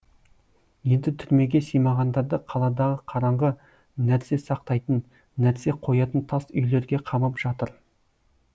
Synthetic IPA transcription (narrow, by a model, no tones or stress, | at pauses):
je̞nd̪ɪt̪ʰʏɾme̞ɡʲe̞sejmɑʁɑnd̪ɑɾd̪əqʰɑlˠɑd̪ɑʁəqʰɑɾɑɴʁə | næɾse̞sɑq̚t̪ɑjt̪ənː | æɾse̞qʰo̞jɑt̪ənt̪ʰɑsʏ̰jle̞ɾɡʲe̞qʰɑməpʒ̥ɑt̪əɾ